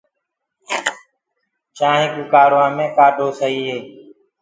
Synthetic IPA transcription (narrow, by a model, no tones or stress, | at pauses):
t͡ʃãːɦĩːkuːkaːɾʋãːmẽːkaːɖʱoːsəɦiːɦeː